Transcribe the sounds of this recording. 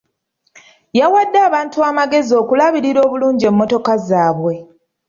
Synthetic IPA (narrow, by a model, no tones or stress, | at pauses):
jawadːaːβaːntuaːmaɡe̞zio̞ːkulaβiɾiɾo̞ːβuluːɲɟie̞mːo̞to̞kazaːβwe̞